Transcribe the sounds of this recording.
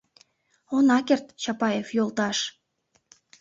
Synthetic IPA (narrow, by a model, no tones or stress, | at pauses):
onɑkert̪t͡ɕɑpɑjefjolt̪ɑʃ